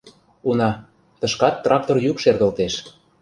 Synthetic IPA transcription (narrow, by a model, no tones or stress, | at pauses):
unɑ | t̪ɤ̆ʃkɑt̪ːrɑk̚t̪orjykʃerɣə̆lt̪eʃ